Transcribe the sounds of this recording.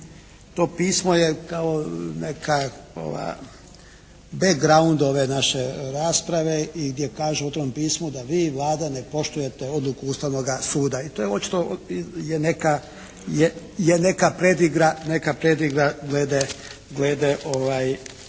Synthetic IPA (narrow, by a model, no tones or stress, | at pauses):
t̪o̞ːpiːsmojekaonekʰao̰ʋa̰ | beɡɾaund̪o̞ʋe̞naʃeɾaːspɾaʋe̞iɡd̪jekaːʒuot̪oɾompiːsmud̪aʋiːʋlˠaːd̪ane̞po̞ʃt̪uje̞t̪eo̞d̪lukuust̪aʋno̞ɡasuːd̪ait̪ojeo̞t̪t͡ʃi̥t̪ojeneka | je | jene̞kapɾed̪iɡɾanekapɾed̪iɡɾaɡleːd̪e | ɡleːd̪eʔoʋaːj